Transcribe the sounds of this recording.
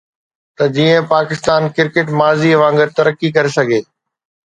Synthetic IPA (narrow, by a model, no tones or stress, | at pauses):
t̪ɐd͡ʑiːə̃paːkɪst̪aːnkɪɾkɪʈmaːziʋãːŋɡəɾt̪ɐɾəkːik̬ɐɾesɐɡʱeː